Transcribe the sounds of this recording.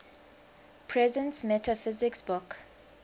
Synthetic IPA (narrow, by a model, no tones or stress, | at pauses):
pʰɹɛzə̃nsmɛtʰafɪzɪksbʊk